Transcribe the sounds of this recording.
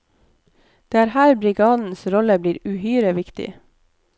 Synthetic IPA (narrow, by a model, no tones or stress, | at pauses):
d̪̥eːæːɾhæːɾbɾɪɡɑːd̪n̩sɾɔləbliːɾʉhyːɾəʋɪkt̪ɪ̰